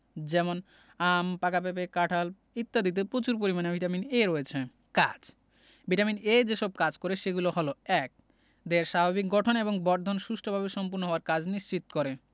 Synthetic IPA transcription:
d͡ʑɛmon | ampakap̬ep̬ekaʈʰal | it̪ːad̪it̪̬epɾot͡ɕuɾp̬oɾimanebʱiʈamineɾoet͡ɕʰe | kad͡ʑ | biʈamined͡ʑeʃɔb̚kad͡ʑkoɾeʃeɡuloɦoloɛk̚ | d̪eɾʃababik̚ɡɔʈʰoneboŋbɔɾd̪ʱonʃuʃʈʰobʱabeʃɔmpuɾnoɦoaɾkad͡ʑniʃt͡ɕit̪kɔɾe

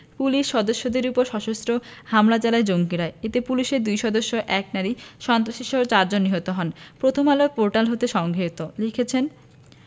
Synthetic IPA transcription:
puliʃːɔd̪oʃːod̪eɾupoɾʃɔʃost̪ɾohamlat͡ɕalaed͡ʑoŋkiɾaeet̪epuliʃeɾd̪ujʃɔd̪oʃːoʔɛk̚naɾiʃɔnt̪ɾaʃiʃoɦoɾt͡ɕaɾd͡ʑonːiɦot̪oɦɔnpɾot̪ʰomalok̚poɾʈalɦot̪eʃɔŋɡʱet̪olikʰet͡ɕʰen

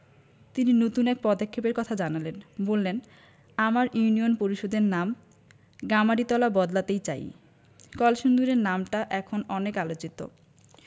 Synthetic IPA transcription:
t̪ininot̪unɛk̚pɔd̪akʰːepeɾkɔt̪ʰad͡ʑanalenbolːen | amaɾjunionpoɾiʃod̪eɾnam | ɡamaɾit̪ɔlabɔd̪lat̪ejt͡ɕa̰j | kɔlʃund̪uɾeɾnamʈaʔɛkʰonɔnekalot͡ɕit̪o̰

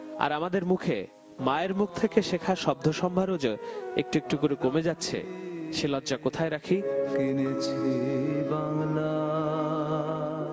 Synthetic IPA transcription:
a̰ɾamad̪eɾmukʰe | maeɾmuk̚ʰt̪ʰekeʃekʰaʃɔb̚d̪ʱoʃɔmbʱaɾod͡ʑoek̚ʈuek̚ʈukoɾekomed͡ʑatːɕʰḛʃelɔdːakot̪ʰaeɾakʰikinet͡ɕʰibaŋla

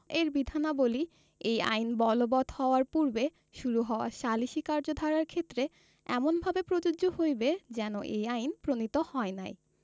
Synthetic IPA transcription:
eɾbid̪ʱanaboli | eja̰jnbɔlobɔd̪ʱhɔoaɾpuɾbe | ʃuɾuɦɔoa̰ʃaliʃikaɾd͡ʑod̪ʱaɾaɾkʰet̪ːɾe | ɛmonbʱabepɾod͡ʑoohojbed͡ʑɛnoʔejajnpɾonit̪ohɔena̰j

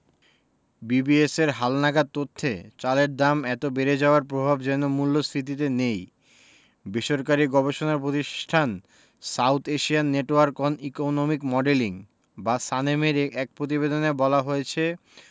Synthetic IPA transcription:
bibieseɾɦalnaɡad̪̚t̪ot̪ʰːḛt͡ɕaleɾd̪amɛt̪obeɾed͡ʑaoaɾpɾobʱabd͡ʑɛnomulːost̪ʰit̪̬it̪̬enej | biʃoɾkaɾiɡɔbeʃonaɾpɾot̪iʃʈʰan | sawt̪ʰeʃianːeʈowaɾkonikonomikmɔɖeliŋ | basanemeɾɛk̚pɾot̪ibed̪onebɔlaɦojet͡ɕʰe

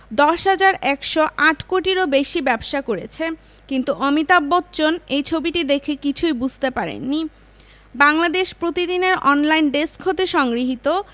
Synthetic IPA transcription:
d̪ɔʃɦad͡ʑaɾɛkʃoʔaʈʰkoʈiɾobeʃibɛbʃakoɾḛt͡ɕʰe | kint̪uʔɔmit̪abːɔt̪ːt͡ɕonejt͡ɕʰobiʈid̪ekʰekit͡ɕʰujbud͡ʑʱt̪epaɾḛnːi | baŋlad̪eʃpɾot̪id̪ineɾɔnlajnɖeskɦot̪eʃɔŋɡɾiɦit̪o

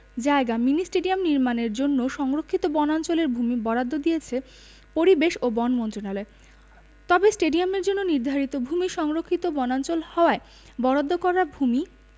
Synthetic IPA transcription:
d͡ʑaeɡaminisʈeɖiamniɾmaneɾd͡ʑonːoʃɔŋɾokʰːit̪obɔnant͡ɕoleɾbʱumibɔɽad̪ʱːod̪ijet͡ɕʰe | poɾibeʃobɔnmɔnt̪ɾonalɔe | t̪ɔbesʈeɖiameɾd͡ʑonːoniɾd̪ʱaɾit̪obʱumiʃɔŋɾokʰːit̪obɔnant͡ɕolhɔoae | bɔɽad̪ʱːokɔɾaɾbʱumi

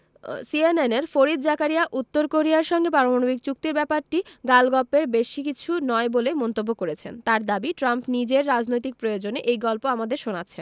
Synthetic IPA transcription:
sieneneɾfoɾid̪̚d͡ʑakaɾijaʔut̪ːoɾkoɾiaɾʃɔŋɡepɾaɾomanobiɡ̚t͡ɕuk̚t̪iɾbɛpaɾʈiɡalɡɔpːeɾbeʃikit͡ɕʰunɔebolemɔnt̪obːokoɾet͡ɕʰent̪aɾd̪abiʈɾampnid͡ʑeɾːad͡ʑnojt̪ik̚pɾojod͡ʑoneʔejɡɔlpoamad̪eɾʃonatːɕʰen

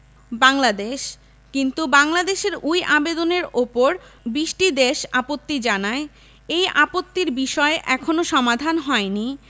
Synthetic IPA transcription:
baŋlad̪eʃ | kint̪ubaŋlad̪eʃeɾujʔabed̪oneɾopoɾbiʃʈid̪eʃapot̪ːid͡ʑanae | ejʔapot̪ːiɾbiʃɔeʔɛkʰonoʃɔmad̪ʱanɦɔeni

